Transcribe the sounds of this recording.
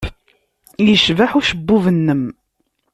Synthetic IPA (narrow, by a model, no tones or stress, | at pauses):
jəʃvaħuʃəbːuvənːəm